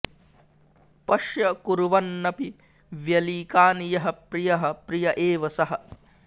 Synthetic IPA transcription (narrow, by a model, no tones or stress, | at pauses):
pɐʃjɐkuɾuʋɐnːɐpi | ʋjɐliːkaːnijɐɦɐpɾijɐɦɐpɾijɐʔeːʋɐsɐɦɐ̆